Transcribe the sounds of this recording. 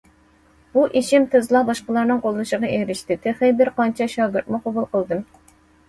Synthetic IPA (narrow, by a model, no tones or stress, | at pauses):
b̥uʔiʃimt̪ʰɨzlˠɑbɑʃqəlˠɑɾnɨŋqolˠːuʃəʁɑeɾɪʃt̪ɪt̪ʰɪχɪbɪɾqɑnt͡ʃʰɛʃɑːɡʲɪɾt̪mɨqʰobulˠqəlˠd̪ɨm